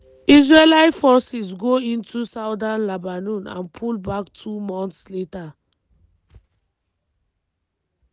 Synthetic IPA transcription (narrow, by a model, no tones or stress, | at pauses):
isɹelaɪfɔsisɡoĩntʰusaʊdãnlabanũnã̰npʰulbaktʰumɔ̃ntsleta